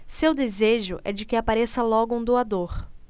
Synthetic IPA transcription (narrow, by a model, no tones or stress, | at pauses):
sewd̪ezeʒʊʔɛ̰d͡ʒɪkɪapaɾesɐlɔɡʊũd̪oad̪oɾ